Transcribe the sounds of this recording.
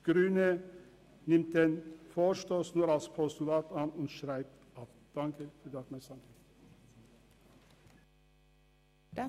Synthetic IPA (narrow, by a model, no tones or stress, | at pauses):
ɡ̥ɾʉːnə | nɪmt̪̚d̪ɛnfoːʃtoːsnuɾɑlspʰɔst̪ʊlɑːt̪ɑnn̩ʃɾæɪp̚t̪ | ɑt | d̪̥ɑŋkəfɔd̪ɑkmɛsɑn